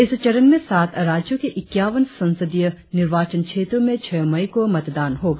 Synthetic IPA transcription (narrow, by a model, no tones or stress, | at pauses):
ɪst͡ʃɐɾənmẽsaːt̪ʰɾaːd͡ʒjõkeʔɪkːjaːʋənsɐ̃nsəd̪ijənɪɾʋaːt͡ʃənt͡ʃʰeːt̪ɾõmẽt͡ʃʰɛːmɐikomɐt̪d̪aːnɦoːɡaː